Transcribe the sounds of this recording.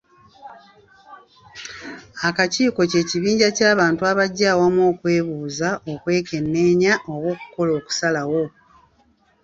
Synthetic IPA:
akaciːko̞ce̞ːciβiːɲɟacaːβaːntuaβaɟːaːwamwo̞ːkwe̞ːβuːzao̞kwe̞ːke̞nːe̞ːɲaʔo̞wo̞ːku̥ko̞lo̞ːku̥salawo̞

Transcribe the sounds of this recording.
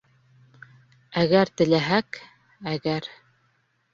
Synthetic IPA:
æɣæɾt̪ɘ̆læɦæk | æɡæɾ

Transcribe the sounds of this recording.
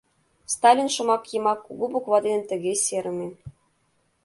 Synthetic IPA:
st̪ɑlʲinʃɤ̆mɑkjɤ̆mɑkːuɡubukvɑd̪ʲenʲɘ̆nʲt̪ɘ̆ɣʲesʲeɾɘ̆mʲĕ

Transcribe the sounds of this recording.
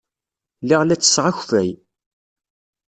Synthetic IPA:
lɪʁlæt͡sːə̥sʁaçfæj

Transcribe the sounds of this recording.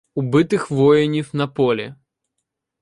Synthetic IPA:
ʊbɨt̪ɪxʋɔjɪnʲifnɐpɔlʲɪ

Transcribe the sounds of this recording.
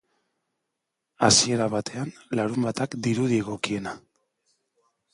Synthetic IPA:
asie̞ɾaβat̪e̞anlaɾumbat̪akd̪iɾuðieɣo̞kie̞na

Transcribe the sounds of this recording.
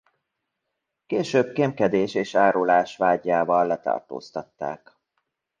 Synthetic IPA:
keːʃøːb̚kemkɛd̪eːʃeːʃaːɾulaːʃʋaːɟaːvɒlːɛt̪ɒ̰rt̪o̰ːst̪ɒt̪ːa̰ːk

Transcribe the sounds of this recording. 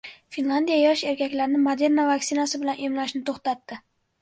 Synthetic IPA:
finlˠand̪ijajɒʃe̞ɾkʲʰakʲlaɾnɪmod̪e̞ɾnavaksɪnasɪbɪlanʔemlaʃnɪt̪ʰoχt̪at̪ːɪ

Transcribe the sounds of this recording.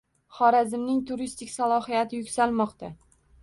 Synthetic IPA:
χɒɾazɪmnɪŋt̪ʰʊɾist̪ɪkʲsalˠɒhijat̪ʰɪjʊkʲsalmɒqt̪a

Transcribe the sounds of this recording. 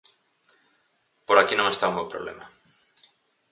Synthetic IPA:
poɾakinõŋest̪aũmbowpɾoβlḛma

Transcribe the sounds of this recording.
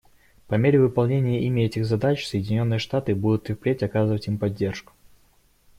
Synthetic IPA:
pɐmʲeɾʲɪvɨpɐlˠnʲenʲɪjəʔimʲɪɛtʲɪxzɐd̪at͡ɕsəjɪdʲɪnʲo̞nːɨjəʂt̪at̪ɨbud̪ʊt̪ɨfplʲetʲɐkazɨvətʲimpɐdʲːe̞rʂkʊ̥

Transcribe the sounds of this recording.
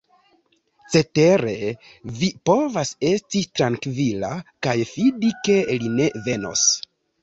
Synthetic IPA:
t͡se̞te̞ɾe̞ | vipo̞vase̞stitɾaŋkvilakajfidike̞line̞ve̞no̞̰s

